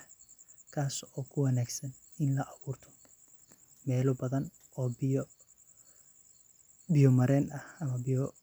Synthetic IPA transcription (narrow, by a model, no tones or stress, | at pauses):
kʰaːsɔːkʰʊwɑnaːɡsɐnɪnlɐʔɐβuːrt̪ʰɔ̥ | mɛːlʊbɐðɐn | ɔːbɪ | bɪjɔmɐɾɛːnɐhɐmɐbɪjɔ